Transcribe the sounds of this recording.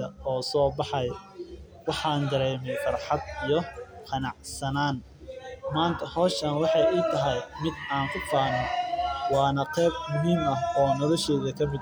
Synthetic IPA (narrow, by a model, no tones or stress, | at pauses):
ɐɔːsɔːbɑħɑj | wɑħɑːnd̪ɐɾɛːmɛjfɐrħɑd̪ijɞqʰɑnɑʕsɐnaːn | maːnt̪ʰɐhɔːʃɐnwɑħɑjiːt̪ʰɐɦɐjmɪd̪aːŋkʰʊfaːnɔwɑːnɐqɛːb̚mʊɦiːmɐɦɔːnɔlɔʃɛːðɐkʰɐmɪd̪